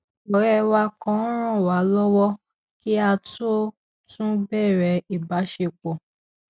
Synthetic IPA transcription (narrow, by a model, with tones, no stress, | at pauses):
ɔ˨ɾɛ˧wa˧kɔ̃˧˦ɾ̃ɔ̃˦˨wa˨˦lɔ˦wɔ˦ | ki˦a˧to˦ | tũ˦bɛ˦˨ɾɛ˨˧i˨ba˨˦ʃe˧˨k͡pɔ˨